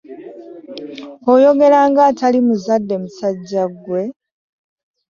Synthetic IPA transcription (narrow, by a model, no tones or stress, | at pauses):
ojo̞ɡe̞ɾaːŋɡaːtalimuzadːe̞musaɟːaɡwe̞